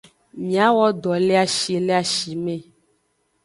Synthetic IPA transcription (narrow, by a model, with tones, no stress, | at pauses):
mĩ˨a˦wɔ˦dɔ˨le˦a˨ʃi˨le˦a˨ʃi˨mɛ̃˨